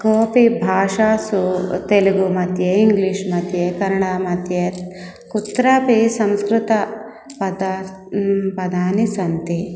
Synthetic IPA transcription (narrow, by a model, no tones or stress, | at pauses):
koːpibʱaːʂaːsut̪eluɡumɐt̪jeiŋɡliʂmɐt̪jekɐɾɐɳaːmɐt̪je | kut̪ɾaːpisɐmskɾut̪ɐ | pɐd̪ | pɐd̪ʱaːnisɐnt̪i